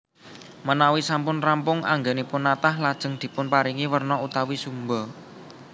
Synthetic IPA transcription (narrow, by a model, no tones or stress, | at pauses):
mənawisampʊnrampʊŋʔa̰ŋɡenepʊnːat̪ahlad̥ʒ̥ə̤ŋd̪̥i̤pʊnpaɾiŋiwərnɔut̪awisumbɔ